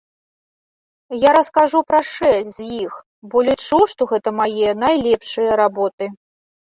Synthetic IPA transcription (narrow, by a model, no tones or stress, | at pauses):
jaɾɐskaʐupɾɐʂɛsʲzʲjix | bɔlʲit͡ʂuʂt̪ɔɣɛt̪ɐmajɛnajlʲɛpʂɨjɐɾabɔt̪ɨ